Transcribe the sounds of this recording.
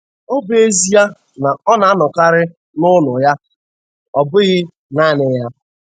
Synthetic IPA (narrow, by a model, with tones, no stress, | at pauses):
o˦be˦e˦zi˦ja˦ | na˨ɔ˦na˨a˦nɔ˨ka˦ɾɪ˦ | nʊ˦nʊ˨ja˦ | ɔ˨bʊ˦ɣɪ˦ | naː˦nɪ˨ja˦